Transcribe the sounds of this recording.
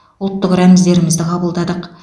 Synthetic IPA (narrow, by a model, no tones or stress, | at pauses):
ʊlˠt̪ːəqɾæmɪzd̪e̞ɾɪmɪzd̪ɪqʰɑbəlˠd̪ɑd̪əq